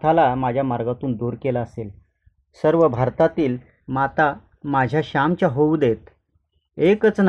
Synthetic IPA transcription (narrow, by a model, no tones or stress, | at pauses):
t̪ʰalamad͡ʑʱjamaɾɡat̪uːnd̪oɾkelaəsel | səɾʋəbʱaɾt̪at̪iːl | mat̪a | mad͡ʑʱjaɕamt͡ɕjaɦoud̪et̪ | ekət͡sn